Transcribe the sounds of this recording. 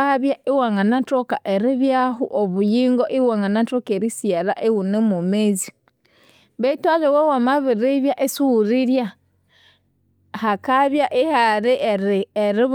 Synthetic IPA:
aβjaʔiwaŋanantokaʔeɾiβjaɦṵʔoβujiːŋɡoʔiwaŋanantokeɾisiaɾaʔewunemumezi | βetalewewamaβiɾiβjaʔesuuɾiɾja | hakaβjaʔihaɾiʔɾeɾi

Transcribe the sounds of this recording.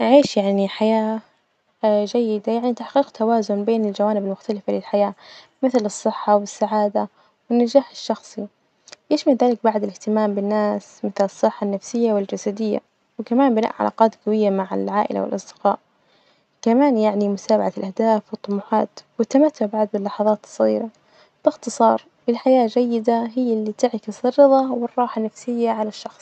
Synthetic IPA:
ʔʕiːʃjaʕniħajaː | d͡ʒajːɪd̪ajaʕnit̪aħqiːqt̪ʰawaːzʊnbeːnɪld͡ʒawaːnɪbɪlmʊxt̪alɪfalɪlħajaː | mɪθlɨsˤːɨħːɑwɪsːaʕaːd̪a | wɪnːad͡ʒaːħɪʃːɑxsˤi | jɪʃmalðaːlɪk̚baʕd̪ɪlɪht̪ɪmaːmbɪnːaːsmɪθlɨsˤːɨħːanːafsɪjːawɪld͡ʒasad̪ɪjːa̰ | wɪkamaːnbɪna̰ːʔʕa̰la̰ːqɑːt̪ɡawɪjːamaʕɪ̰lʕaːʔɪ̰la̰wɪ̰lʔɑsˤd̪̥ɪ̥qɑ̰ːʔ | kamaːnjaʕnimʊt̪aːbaʕalʔahd̪aːfwɨt̪ˤːʊmuħɑ̰ːt̪wɪt̪ːamat̪ːʊʕbaʕd̪̚bɪlːɑħɑðˤɑːt̪sˤɣḭːɾa | b̥ɪxt̪ɨsˤɑːɾˤ | bɪlħajaːd͡ʒajːɪd̪aɦɪjːlːit̪ɪʕkɪsɪrːɨðˤɑwɪrˤːɑːħanːafsɪjːaʕalaʃːɑxsˤ

